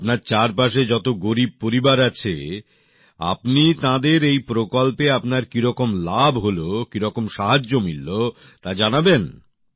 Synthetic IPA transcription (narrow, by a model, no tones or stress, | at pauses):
apnaɾt͡ɕaɾpaʃed͡ʑɔt̪oɡoɾib̚poɾibaɾat͡ɕʰḛ | a̰pnit̪ãd̪eɾejpɾokolpeapnaɾkiɾɔkomlabɦolokiɾɔkomʃaɦad͡ʑːomilːo | t̪ad͡ʑanaben